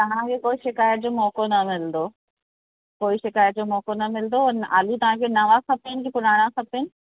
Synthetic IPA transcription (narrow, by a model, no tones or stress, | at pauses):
t̪ɐʋ̤ãkʰeːkoːiʃɪkaːjət̪̚d͡ʑomɔːkonɐmɪld̪oː | koːiʃɪkaːjət̪̚d͡ʑoːmɔːkonɐmɪld̪oa̰ːlit̪ɐʋ̤ãkʰenɐʋakʰɐpeɪnɪ̆kipʊnaːɽ̃ãkɐpeɪnɪ̆